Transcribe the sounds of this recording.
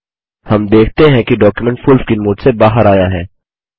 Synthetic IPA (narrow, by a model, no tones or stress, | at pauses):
hɐmd̪eːkʰt̪eɦɛ̃kiɖɔːkjumɛ̃ɳʈfʊlfkɪnmʊːʈsebaːɦəɾaːjaɦɛː